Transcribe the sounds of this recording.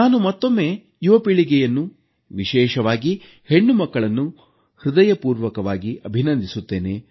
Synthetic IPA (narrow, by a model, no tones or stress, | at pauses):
naːnumɐt̪ːo̞mːe̞ː | juʋɐpiɭiɡɛjɐnːu | ʋiʃɛːʃɐʋaːɡi | he̞ɳːumɐkːɐɭɐnːu | hɾɪd̪ɐjɐpuːɾʋɐkɐʋaːɡiʔɐbʱinɐnd̪ʱisut̪ːe̞ːne̞